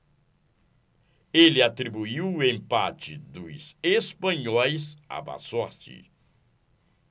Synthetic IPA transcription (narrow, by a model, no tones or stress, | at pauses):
elɪat̪ɾibuiwẽmpat͡ʃɪd̪ʊzespɐ̃ɲɔjza̰ba̰sɔɾt͡ʃɪ̰